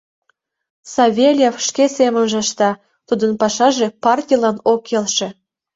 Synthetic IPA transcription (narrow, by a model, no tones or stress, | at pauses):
sɑβʲelʲjefʃkesemənʒĕʃt̪ɑ | t̪ud̪ənpɑʃɑʒepɑrtʲijlɑnokːelʃĕ